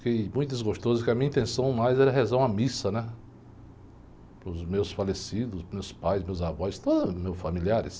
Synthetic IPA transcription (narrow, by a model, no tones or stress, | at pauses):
kejmũj̃t̪ʊd̪ɪzɡoʃt̪ozʊkɪɐmĩɲɐĩnt̪ẽsɐ̃w̃majzɛɾɐɦezɐ̃w̃ɐmisɐnɛ | pɾʊzmewsfalesid̪ʊsmewspajsmewzavɔjst̪od̪ɐmewsfamiliaɾɪs